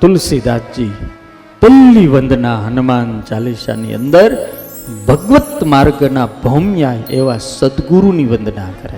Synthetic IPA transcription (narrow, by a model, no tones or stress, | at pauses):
t̪ʊlsid̪at̪d͡ʒi | p̪əlːiʋənd̪ʱnaɦənumaːnd͡ʒaleʃa̰nḭə̰̃nd̪əɾ | bʱəɡʋət̪maɾɡənabʱəmjajeʋasəd̪ɡuɾuniʋə̃nd̪ʱnakəɾe